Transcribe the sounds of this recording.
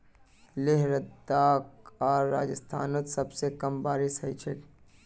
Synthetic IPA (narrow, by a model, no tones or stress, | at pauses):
leɦɾəd̪aːkɔːɾːaːd͡ʒəst̪ʰaːnot̪sɐbsekɐmbaːɾɪsɦəit͡ʃʰe